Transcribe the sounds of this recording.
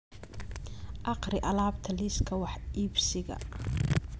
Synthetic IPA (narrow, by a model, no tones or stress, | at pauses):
ʔɑqrɪʔɐlaːbt̪ʰɐliskʰɐwɑħʔiːbsɪɣɐ̰